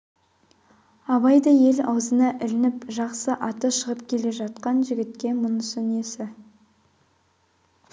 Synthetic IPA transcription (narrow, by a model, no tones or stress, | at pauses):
ɑβɑjd̪ɑje̞lɑ̰wzənɑʔɪlɪnɪpʒɑqsəʔɑt̪əʃəʁəpkʲʰe̞le̞ʒɑt̪qɑnʒɪɡʲɪt̪̚kʲe̞mʊnəsʏne̞sɪ